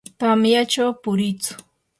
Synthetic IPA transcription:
t̪amjat͡ʃawpʊɾɪt͡sʊ̥

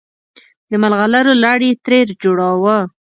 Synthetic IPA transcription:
d̪əmalɣalaɾolaɽit̪ɾeɾd͡ʒoɽɑwə

